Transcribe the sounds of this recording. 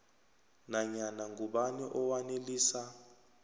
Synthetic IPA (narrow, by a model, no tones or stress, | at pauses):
naɲanaŋɡʱuɓaniʔɔwaneliːsa